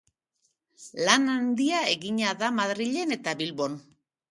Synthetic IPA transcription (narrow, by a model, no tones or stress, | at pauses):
lanand̪iae̞ɣiɲaðamaðɾiʎe̞ne̞t̪aβilβo̞n